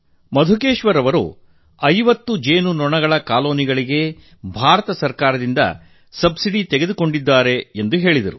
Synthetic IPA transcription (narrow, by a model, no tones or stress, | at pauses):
mɐd̪ʱukeːʃʋɐɾɐʋɐɾṵ | ɐjʋɐt̪ːud͡ʒe̞ːnunɔɳɐɡɐɭɐkaːlo̞ːniɡɐɭiɡe̞ | bʱaːɾɐt̪ɐsɐɾkaːɾɐd̪ind̪ɐ̰ | sɐbsiɽit̪eɡe̞d̪uko̞ɳɖid̪ːaːɾe̞ːnd̪uɦe̞ːɭid̪ɐɾu